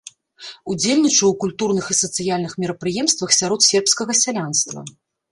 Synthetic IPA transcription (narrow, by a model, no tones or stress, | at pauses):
ud͡zʲelʲnʲit͡ʂɐwkulʲt̪urnɨxisɐt̪sɨjalʲnɨxmʲɛɾɐpɾɨjɛmst̪vɐxsʲaɾɔt̪sʲɛrpskɐɣɐsʲalʲanst̪vɐ̰